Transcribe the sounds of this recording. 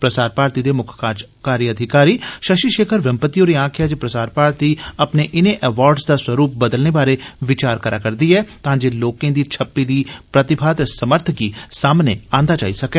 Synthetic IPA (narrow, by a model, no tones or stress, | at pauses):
pɾəsaːɾpaːɾt̪iːd̪eːmʊkʰː | kaːɾiəd̪ʱɪkaːɾiːʃəʃiʃeːkʰəɾʋəmpət̪ijoːɾiːãːkʰjaːd͡ʒpɾəsaːɾpaːɾt̪iːɐpneːʔɪneʔɛːʋaːɾɖsd̪aːswəɾuːp̚bəd̪əlneːbaːɾeʋɪt͡ʃaːɾkəɾaːkəɾd̪iːɦɛːt̪ãːd͡ʒeloːkẽːd̪iːt͡ʃʰəpːiːd̪iːpɾət̪ɪbʰʱaːt̪səməɾt̪ʰkiːsaːmneːãːnd̪aːt͡ʃa̰ːisɐkɛː